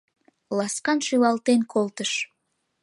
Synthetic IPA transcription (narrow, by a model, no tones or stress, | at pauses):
lɑskɑnʃylɑlt̪enkʰolt̪əʃ